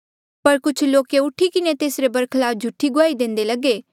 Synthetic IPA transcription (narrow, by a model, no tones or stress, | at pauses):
pɐɾkʊt͡ʃʰloːkeʊʈʰikɪnet̪eːsɾebɐɾkʰlaːfd͡ʒʱʊʈʰːiɡʊaːid̪ẽːnd̪elɐɡe